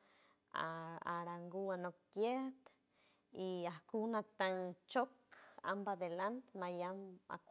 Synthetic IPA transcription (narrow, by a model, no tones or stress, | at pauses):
aaɾaŋɡuanokːjet̪ | iahkunat̪aŋt͡ʃoka̰mbad̪elant̪majama̰k